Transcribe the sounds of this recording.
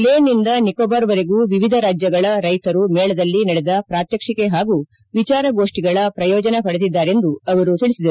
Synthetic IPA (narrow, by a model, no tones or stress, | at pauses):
leːnind̪ɐnikoːbaːɾʋɐɾeɡuːʋiʋid̪ʱɐɾaːd͡ʒjɐɡɐɭɐɾɐjt̪ɐɾumɛːɭɐd̪ɐlːinɐɽɛd̪ɐpɾaːt̪jɐkʂikeɦaːɡuː | ʋit͡ʃaːɾɐɡo̞ːʂʈiɡɐɭɐpɾɐjɔːd͡ʒɐnɐpɐɽed̪id̪ːaːɾe̞nd̪uɐʋɐɾut̪iɭisid̪ɐɾu